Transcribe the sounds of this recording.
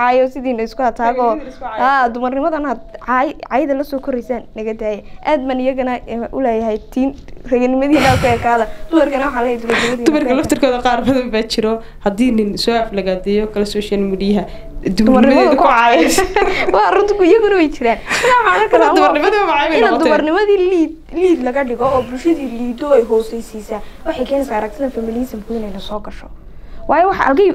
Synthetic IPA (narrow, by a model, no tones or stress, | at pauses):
ʕɑjɔsɪðiːnɐɪskʰʊhɐt̪ʰaːɣɔːhaːd̪ʊmɐrnɪmɐðɐnad̪ʕjʕɑːjðɐlɐsɔːkʰɔɾɛjsaːnːɐɣɐd̪aːjɛʔaːd̪maːnɪjɐɣɐnɐʔʊ̰lɛːjɐɦɛjt̪ʰiːnrɐɣɐnɪmɐðiːnaːkʰʊɛːkʰaːðɐd̪ʊmɐrkʰɐnwɑħɑːlɛːɛjd̪ʊmɐrnɪmɐðiːd̪ʊmɐrkʰɐlɐft̪ʰɐrkʰɔːðɐqɑːrbɐðɐmbaːt͡ʃɪɾɔ | hɐd̪iːnɪnsɔːaflɐɣaːd̪ɛjɔkʰɐlɛsɔːʃɐlmiːdijɦɐ | d̪ʊdʊmɐɾnɪmɐmɐðɐkʰʊʊʕɑjɛ | wɑrʊnt̪kʊɪjɐɣʊnɐwɛjt͡ʃʰɪɾaːnsɐkaːwħaːnɐkʰɐlad̪ʊmɐrnɪmɐðɐwɐmɑʕɑjβɛjnɐɔtd̪ʊmɐrnɪmɐðiːli | liːd̪lɐɣɐɖɪɣɔɔːbʊlʃɐðiːliːd̪ɔɛjɦɔːsɛjsiːsaːwɑħɑjkʰɛːnɛjsaːʔɐɾɐɡ̚t̪ʰɪðɐnfɐmɪliːsɐmkʰʊɪnɛjnɐsɔːɡɐʃɔ | wɑːjɔwɑħɑ̰ʔɐ̰lɡɐ